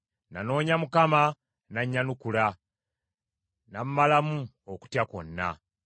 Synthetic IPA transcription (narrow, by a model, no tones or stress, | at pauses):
nano̞ːɲamukama | naɲːanukula | nam̩malamu | oku̥tjako̰nːa̰